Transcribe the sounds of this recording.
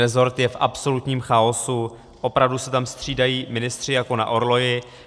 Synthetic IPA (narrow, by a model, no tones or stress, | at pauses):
ɛzo̞ɾt̪jɛfʔapso̞lut̪ɲiːmxaosu | ʔo̞pɾavdusɛt̪amst̪r̝̥iːdajiːmɪnɪst̪r̝̥ɪjako̞na̰ʔo̞ɾlo̞jɪ